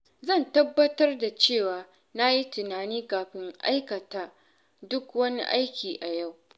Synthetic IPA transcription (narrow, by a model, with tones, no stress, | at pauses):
zɐ˦˨ntɐ˦bːɐ˦tɐ˦rda˨t͡ʃeː˦˨waː˨ | na˦ji˦tɪ˨naː˨niː˦kaː˨ɸɪ˦ŋʔa̰˦jkɐ˨taː˨ | dʊ˦kwɐ˦ni˦ʔa˦jkʲiː˨ʔa˨ja˦˨w